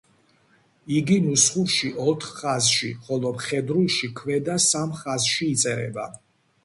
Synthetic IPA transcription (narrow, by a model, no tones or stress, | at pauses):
iɡinusχuɾʃiʔɔt̪ʰχχazʃiχɔlˠɔpχɛd̪ɾulˠʃikʰvɛd̪asamχazʃiːt̪sʼɛɾɛ̰ba̰